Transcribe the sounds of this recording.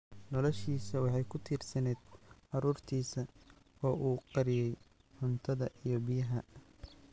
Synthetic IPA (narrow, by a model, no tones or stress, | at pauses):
nɔlɔʃiːsɐwɑħɑjkʰʊt̪ʰiːrsɐnɛːd̪̥ʕɑɾuːrt̪ʰiːsɐɔːʔuːqɑɾɪjɛj | ħʊnt̪ʰɐðɐʔijɞbɪjɐɦɐ